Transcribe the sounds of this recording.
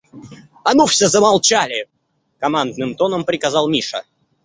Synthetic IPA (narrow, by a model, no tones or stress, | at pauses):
ɐnufsʲəzəmalˠt͡ɕalʲɪ | kɐmand̪nɨmt̪o̞nəmpɾʲɪkazɑlˠmʲiʂə̰